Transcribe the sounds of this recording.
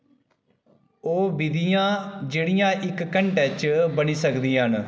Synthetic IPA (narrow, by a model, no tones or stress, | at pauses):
oːbid̪ijãːd͡ʒeːɽijãːʔɪkːəɳʈɛːt͡ʃbəniːsəkd̪ĩːɦən